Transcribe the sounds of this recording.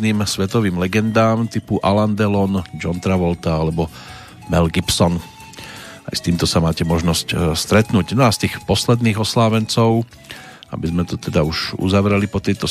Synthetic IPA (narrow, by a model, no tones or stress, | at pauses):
niːmsʋɛt̪ɔʋiːmlɛɡɛnd̪aːmt̪ipuʔaland̪ɛlɔnd͡ʒɔnt̪ɾaʋɔlt̪aalɛbɔ | mɛlɡipsɔn | a̰jst̪iːmt̪ɔsamaːcɛmɔʒnɔscst̪ɾɛt̪nuːcnɔast̪iːxpɔslɛd̪niːɣɔslaːʋɛnt͡sɔʊ | a̰bizmɛt̪ɔt̪ɛd̪auʒṵzaʋɾɛlipɔt̪ɛjt̪ɔ